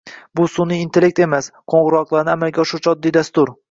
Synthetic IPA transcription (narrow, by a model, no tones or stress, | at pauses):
bʊsʊniːnt̪ʰe̞lʲe̞k̚ʲt̪e̞masqʰoɴʁɨɾɒqlˠaɾnɪamalɡʲaʃʊt͡ʃʰɒd̪ːid̪ast̪ʊɾ